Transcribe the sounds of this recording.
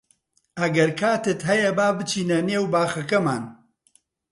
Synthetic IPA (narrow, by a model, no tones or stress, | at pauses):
ɐɡɐɾkʰaːt̪ɨt̪ɦɐjɐbaːbɨt͡ʃʰiːnɐneːwbaːxɐkɐmaːn